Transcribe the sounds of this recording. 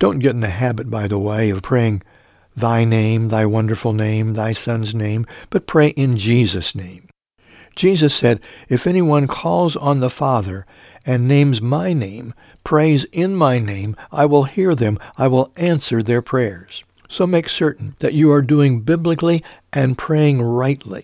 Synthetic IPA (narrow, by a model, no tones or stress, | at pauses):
d̥õʊ̃nɡ̥ɛɾ̃n̩ðɨɦæbɨt̚b̥aɪðəweɪʌv̥pʰɹ̥eɪɪ̃ŋ | ðaɪnẽɪ̃mðaɪwʌ̃ndə˞fl̩ˠnẽɪ̃mðaɪsʌ̃nznẽɪ̃mb̥ʌt̚pʰɹ̥eɪʔɪ̃nd͡ʒizɨsnẽɪ̃m̥ | d͡ʒ̥izɨsɛɾɨfɛniwʌ̃nkʰɔlˠzn̩ðəfɑðə˞ | ɨ̃nːẽɪ̃mzmaɪnḛ̃ɪ̃m | pʰɹ̥eɪzɪ̃nmaɪnẽɪ̃mʔaɪwɪlˠhiɹðɨ̃maɪwɪlˠæ̃nsə˞ðə˞pʰɹ̥ɛɹz̥ | soʊmeɪksɜ˞ʔn̩ðɨt͡ʃɨə˞duɪ̃ŋbɪblɨkliʔɨ̃npʰɹ̥eɪɪ̃ŋɹaɪtʰˡlḭ